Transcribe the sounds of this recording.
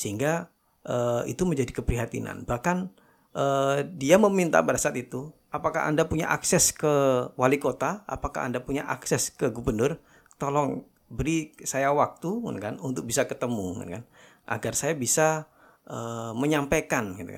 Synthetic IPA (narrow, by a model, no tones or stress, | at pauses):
səɦiŋɡa | ʔəḭt̪uməɲd͡ʒadikəpɾiɦat̪ḭna̰nbahkan | ʔədiaməmint̪a̰padasaat̪it̪uʔapaka̰ɦa̰ndapuɲa̰ʔa̰ksɛskəwalikot̪aa̰paka̰a̰ndapuɲaʔaksɛskəɡubərnʊr | t̪olɔŋ | bəɾisajawak̚t̪uŋa̰nkanunt̪ʊk̚bisakət̪əmuŋa̰nkan | ʔa̰ɡarsajabisa | əməɲampajkanɡit̪ṵka